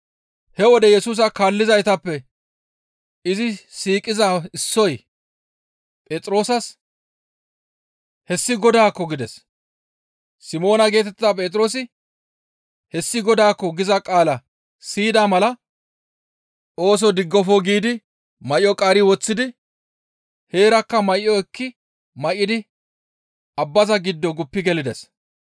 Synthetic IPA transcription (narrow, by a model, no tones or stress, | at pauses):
hɛwɔd̪ɛjɛsuːs̬ɐkaːlːɪzɐjt̪ɐpːɛ | ɪzɪsiːkʼːɪzaɪsːɔj | pʼeːt͡sʼɾo̞ːsɐs | hɛsːɪɡɔd̪aːkːɔɡɪd̪ɛs | sɪmo̞ːnɐɡe̞ːt̪ɛt̪ɪːapʼeːt̪ʼɪɾo̞ːs̬ɪ | hɛsːɪɡɔd̪aːkːɔɡɪzɐkʼaːlɐ | siːd̪aːmɐlɐ | ʔo̞ːs̬ɔd̪ɪɡːɔfoɡiːd̪ɪ | mɐjɔkʼaːɾɪwɔt͡sːɪd̪ɪ | he̞ːɾɐkːɐmɐjːɔɛkːɪ | mɐʔːɪd̪ɪ | ʔɐbːɐzɐɡɪd̪ːɔɡʊpːɪɡɛlɪd̪ɛs